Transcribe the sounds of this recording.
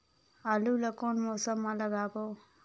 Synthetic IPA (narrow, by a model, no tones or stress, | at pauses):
ɐlulɐkonmɔːsɐmːɐlɐɡaːboː